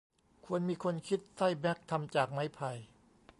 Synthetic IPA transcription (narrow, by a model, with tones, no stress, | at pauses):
kʰu˧ənmiː˧kʰo˧nkʰi˦˥t̪̚sa˥˩jbɛ˦˥k̚t̪ʰa˧mt͡ɕaː˨˩k̚ma˦˥jpʰa˧j